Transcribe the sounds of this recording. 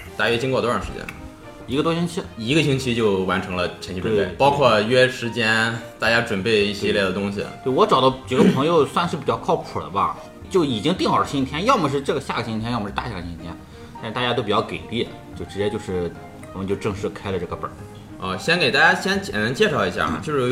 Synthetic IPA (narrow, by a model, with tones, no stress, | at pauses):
t̪a˥˩ɥɛ˥t͡ɕi˥ŋkwɔ˥˩t̪wɔ˥ɻɑ˥˩ʂɻ̩˧˥t͡ɕjɛ̰˥n | i˧˥ɡə˧t̪wɔ˥ɕi˥ŋt͡ɕʰi˧˥i˧˥ɡə˧ɕʰi˥ŋt͡ɕʰi˥t͡ɕjo˥˩ʊwa˧˥nʈ͡ʂʰɤ˧˥ŋlə˧t͡ɕʰɛ˧˥t͡ɕʰtʈ͡ʂwe˥˩e˥˩pɑ˥ʊkʰwɔ˥˩ɥɛ˥ʂɻ̩˧˥t͡ɕjɛ˥nt̪a˥˩t͡ɕja˥ʈ͡ʂwə˨˩npe˥˧ɪi˥˩ɕi˥˧ljɛ˥˩d̪ə˩t̪ʊ˥ŋɕḭ˨˩t̪we˥˩ɪwɔ˧˥ʈ͡ʂɑ˨˩ʊd̪ɑ˧˥ʈ͡ʂi˨˩ɡə˥pʰɤ˧˥ŋjo˧ʊswa˥˧nʂɻ̩˥˩pi˨˩t͡ɕjɑ˥˧ʊkʰɑ˥˩ʊpʰu˨˩lə̰˦bɐ̰˧˩ | t͡ɕjo˥˩ʊi˨˩t͡ɕi˥ŋt̪i˥˩ŋxɑ˨˩˧ɕi˥ŋt̪ʰjɛ˥njɑ˥˧ʊmə˧ʂ̬ɻ̩˥˧ʈ͡ʂɤ˥˩ɡə˩ɕja˥˩ɡə˩ɕi˥ŋt̪ʰjɛ˥njɑ˥ʊmə˧˥a˥˩ɕja˥˩ɡə˩ɕi˧˥t̪ʰjɛ˥n | t̪a˥˧ʂɻ̩˧t̪a˥˧˩ja˥t̪o˥ʊpi˨˩t͡ɕjɑ˥˩ʊke˨˩ɪli˥˩ | t͡ɕjo˥˩ʊʈ͡ʂɻ̩˧˥t͡ɕjɛ˥t͡ɕjo˥˧ʊʂɻ̩˥˩ | wɔ˨˩mə˦t͡ɕo˥˧ʊʈ͡ʂɤ˥˧ŋʂɻ̩˥˧kʰa˥ɪlə˨˧ʈ͡ʂɤ˥˩ɡə˩pə̰˞˨˩˦ | ə˥˧ɕjɛ˥nke˨˩ɪt̪a˥˩t͡ɕja˥ɕjɛ˥nt͡ɕɛ˨˩na˧˥t͡ɕjɛ˥˧ʂɑ˥˩ʊi˧˥ɕja̰˥˩˨t͡ɕjo˥˧ʂɻ